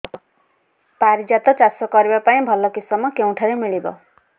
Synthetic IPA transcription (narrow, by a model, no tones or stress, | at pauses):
paɾid͡ʒat̪ɔt͡ʃasɔkɔɾibapaĩbʱɔlɔkisɔmɔkew̃ʈʰaɾemiɭibɔ̰